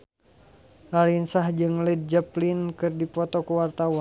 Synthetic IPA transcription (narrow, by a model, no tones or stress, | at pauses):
laɾinsahd͡ʒɨŋlɛd̪̚d͡ʒaplinkɨrdipɔt̪ɔkuwart̪awan